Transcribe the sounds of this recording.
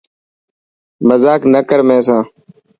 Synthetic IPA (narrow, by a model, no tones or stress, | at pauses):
məzaːknəkəɾmẽːs̬ãː